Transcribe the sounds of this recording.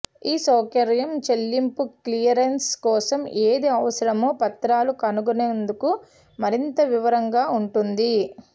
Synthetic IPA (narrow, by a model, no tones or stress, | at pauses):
iːsɔːkɐɾɐjɐmt͡ʃe̞lːimpuklijɐɾenskɔːsɐmeːd̪iɐʋɐsɐɾɐmoːpɐt̪ɾaːlukɐnuɡuneːnd̪uku | mɐɾint̪ɐʋiʋɐɾɐŋɡaːuɳʈund̪i